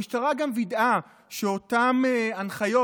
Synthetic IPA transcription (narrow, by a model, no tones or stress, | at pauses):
iʃtaʁaɡamvid̪a | ʃeotameanχajo